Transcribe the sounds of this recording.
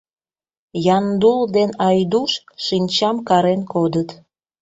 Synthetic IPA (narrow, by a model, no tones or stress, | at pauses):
jɑnd̪uld̪enɑjd̪uʃʃinʲt͡ɕɑmkɑɾenkod̪ət̪